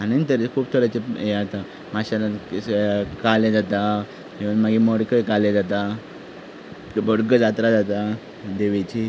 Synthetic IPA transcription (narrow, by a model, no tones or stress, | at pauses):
aninit̪əɾekʰuːb̚t̪ʰəɾat͡ɕeeat̪a | maɕala | kalẽd͡zat̪a | ɦeʋənmaɡimoɽkəikaled͡zat̪a | bəɽɡəd͡zat̪ɾad͡zat̪a | d̪eʋet͡ɕi